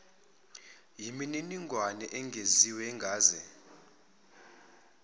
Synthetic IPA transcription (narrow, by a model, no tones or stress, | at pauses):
jimininiŋɡʱwanɛʔɛŋɡʱeziwɛŋɡʱaːzɛ